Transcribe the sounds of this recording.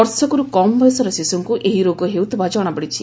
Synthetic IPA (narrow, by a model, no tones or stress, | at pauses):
ɔɾsɔkuɾukɔmbesɔɾɔsisuŋkuʔeɦiɾoɡɔɦewt̪ʰibʱad͡ʒɔɽ̃ɔbeɽit͡ʃʰi